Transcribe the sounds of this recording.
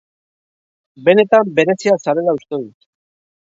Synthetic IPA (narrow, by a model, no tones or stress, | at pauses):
be̞ne̞t̪ambe̞ɾe̞siasaɾe̞laust̪e̞ðut̪